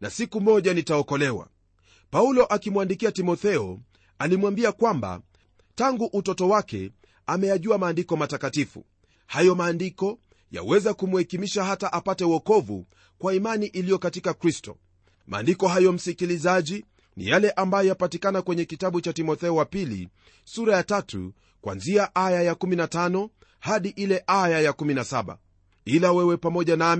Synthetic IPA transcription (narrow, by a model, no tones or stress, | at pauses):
na̰sikumɔʄanitaɔkɔlɛwa̰ | paulɔʔakimwandikiatimɔθɛɔ | alimwambiakwamba̰ | taŋɡuʔutɔtɔwakɛ̰ | amɛjaʄuamaːndikɔmatakatifṵ | hajɔmaːndikɔ | ja̰wɛzakumuhɛkimiʃaɦataʔapatɛuwɔkɔvṵ | kwaimaniʔilijɔkatikakɾistɔ̰ | mʔa̰ːndikɔɦajɔm̩sikilizaʄi | nḭjalɛʔambajɔjapatikanakwɛɲɛkitaɓut͡ʃatimɔθɛɔwapilḭ | suɾajatatṵ | kwa̰nziaʔajajakuminatanɔ | haɗiʔilɛʔajajakuminasaɓa̰ | ilawɛwɛpamɔʄanam